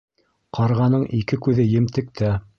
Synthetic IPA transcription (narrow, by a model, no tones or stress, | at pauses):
qɑɾʁɑnɤɴʔikɘkʉðɘjɘ̆mt̪ɘ̆k̚t̪æ